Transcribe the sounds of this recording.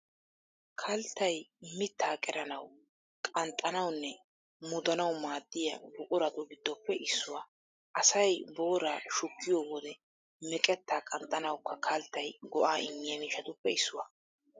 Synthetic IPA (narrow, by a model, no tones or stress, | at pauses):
kʰɐlt̪ːɐjmɪt̪ːaːkʼɛɾɐnɐw | kʼɐnt̪ʼːɐnɐwnːɛ | mʊd̪ɐnɐwmaːd̪ːɪjɐ̰bʊkʼʊɾɐt̪ʊɡɪd̪ːɔpːɛʔɪsːʊwaː | ʔɐsɐjboːɾaːʃʊkːɪjɔːwɔd̪ɛ | mɛkʼɛt̪ːaːkʼɐnt̪ʼːɐnɐwkːɐkʰɐlt̪ːɐjɡɔʔaːʔɪŋːɪjɐniːʃɐt̪ʊpːɛɪsːʊwaː